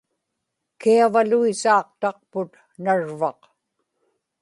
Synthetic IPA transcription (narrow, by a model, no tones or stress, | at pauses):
kiavaluisɑːq̚t̪ɑq̚pʊt̪ | naɻvɑq